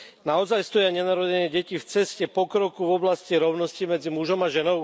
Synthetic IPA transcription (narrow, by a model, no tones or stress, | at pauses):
naɔzajst̪ɔjɪaɲɛnaɾɔɟɛɲɪɛɟɛcift͡sɛscɛpɔkɾɔkuvɔblasciɾɔʊnɔscimɛd͡zimuʒɔmaʒɛnɔʊ